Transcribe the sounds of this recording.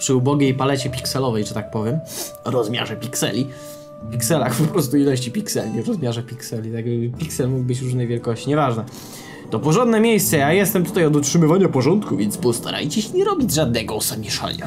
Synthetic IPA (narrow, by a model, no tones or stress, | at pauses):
pʂɘubɔɡʲejpalɛt͡ɕɛpʲiksɛlɔvɛjʐɛt̪ak̚pɔvʲjɛm | ɾɔzmʲja̰ʐɛpʲiksɛ̰lʲi | pʲiksɛlaxppɔpɾɔst̪uilɔɕ̬t͡ɕipʲiksɛlɲʲivɾɔzmʲjaʐɛpʲiksɛlʲit̪aɡbɘpʲiksɛlmuɡ̚bɘt͡ɕɾuʐnɛjvʲjɛlkɔɕt͡ɕiɲɛvaʐnɛ | t̪ɔpɔʐɔnd̪nɛmʲjejst̪sɛjajɛst̪ɛmt̪ut̪ajɔd̪utʂɘmɘvaɲapɔʐɔnt̪kuvʲjɛnt̪zbɔst̪a̰ɾa̰jt͡ɕɛɕɛɲɛɾɔbʲid͡ʑʐad̪̚nɛɡɔɔsabmʲiʂa̰la̰